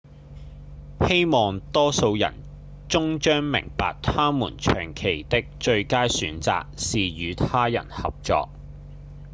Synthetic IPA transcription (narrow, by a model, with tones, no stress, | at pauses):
he˥jmɔː˨ŋt̪ɔː˥so˧wjɐ̰˨˩n | t͡sʊ˥ŋt͡ʃœː˥ŋmɪ̰˨˩ŋpa̰ː˨k̚t̪ʰaː˥mṵː˨˩nt͡ʃʰœː˨˩ŋkʰe˨˩jt̪ɪ˥k̚t͡ʃɵ˧ɥkaː˥jsyː˨˥nt͡sa̰ː˨k̚siː˨jyː˨˧t̪ʰaː˥jɐ̰˨˩nhɐ̰˨p̚t͡sɔ̰ː˧k̚